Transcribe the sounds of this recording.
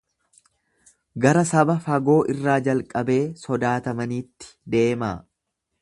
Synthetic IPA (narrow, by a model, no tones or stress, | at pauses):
ɡɐɾɐsɐbɐfɐɡo̞ːʔɪrːaːd͡ʒɐlkʼɐbe̞ːsɔd̪aːt̪ɐmɐniːt̪ːɪ̥d̪e̞ːma̰ː